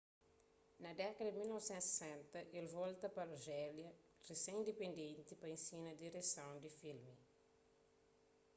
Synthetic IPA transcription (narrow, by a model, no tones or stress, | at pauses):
nɐd̪ɛkɐd̪ɐdimilnɔvsɛ̃nt̪se̥sɛ̃nt̪ɐʔelvolt̪ɐpɐɐʒɛljɐ | resẽj̃nd̪epẽnd̪ẽnt̪ipɐẽnsinɐd̪iɾesɐ̃wd̪ifilmi